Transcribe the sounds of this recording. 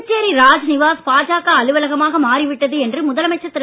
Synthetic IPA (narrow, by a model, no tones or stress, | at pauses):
t͡ʃːeːɾiɾaːd͡ʒnɪʋaːspaːd͡ʒaːkɐɐlɯʋɐlɐɣɐmaːɣɐmaːɾiʋɪʈːɐðɯɛndrɯmʊðɐlɐmɛt͡ʃːɐt̪ːɪ